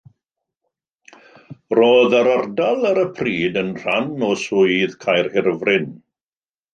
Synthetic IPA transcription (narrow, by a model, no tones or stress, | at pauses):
roːðəɾardalˠəɾəpʰriːdənr̥anɔsʊɨðkʰajrhɪrvrɪn